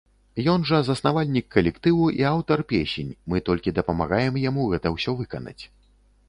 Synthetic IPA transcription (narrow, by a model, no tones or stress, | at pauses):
jɔnʐɐzɐsnavalʲnʲikːɐlʲɛkt̪ɨwuʔiawt̪ɐrpʲesʲenʲmɨt̪ɔlʲkʲid̪ɐpɐma̰ɣajɛmjamuɣɛt̪ɐwsʲɔvɨkɐ̰nɐ̰t͡sʲ